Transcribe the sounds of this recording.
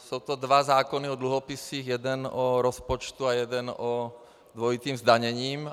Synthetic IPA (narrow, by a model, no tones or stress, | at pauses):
soʊt̪ɔd̪ʋazaːkɔniɔd̪luɦɔpisiːɣjɛd̪ɛnɔɾɔspɔt͡ʃt̪uajɛd̪ɛnɔ | d̪ʋɔjit̪iːmzd̪aɲɛɲiːm